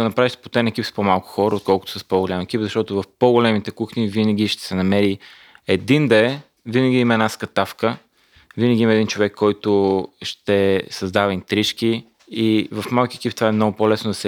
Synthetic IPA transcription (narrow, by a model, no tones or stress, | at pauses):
ɐnɐpɾaviʃspot̪ɛnɛkʲipspomalˠkʊ̥xɔɾəot̪kɔlˠkʊt̪ʊ̥səspoɡolʲamɛk̟ipzɐʃt̪ɔt̪ʊvɐfpoɡʊlɛmit̪ɛkuxnivinɐɡ̟iʃt̪ɛ̥sɛnɐmɛɾi | ɛd̪ind̪ɐɛ | vinəɡʲiimɐɛd̪askɐt̪afkə | vinəɡʲiimɐɛd̪int͡ʃovɛkʰːɔjt̪ʊʃt̪ɛsɐzd̪avɐint̪ɾiʃk̟i | ivɐfmalˠkiɛk̟ipt̪ovaɛmnɔɡʊpolɛsnʊd̪ɐsɛ